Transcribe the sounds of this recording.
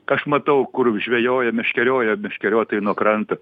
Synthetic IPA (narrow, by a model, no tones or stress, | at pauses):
ɐʃmɐt̪ɐʊkʊrʒʲʋʲɛjoːjɛmʲɛʃʲkʲɛɾʲoːjɛmʲɛʃʲkʲɛɾʲoːt̪oːjɪnuɔkɾɐnt̪ɐ